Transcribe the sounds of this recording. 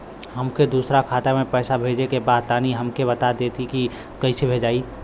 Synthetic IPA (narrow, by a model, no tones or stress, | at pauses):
ɦɐmked̪uːsɾakʰaːt̪amẽpɛːsabʱeːd͡ʒekebaːd̪̚t̪aːniɦɐmkebɐt̪ad̪eːt̪ʰiki | kɐisebʱeːd͡ʒaːiː